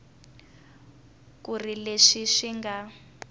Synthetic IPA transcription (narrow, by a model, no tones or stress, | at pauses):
kurileʂiʂiŋɡa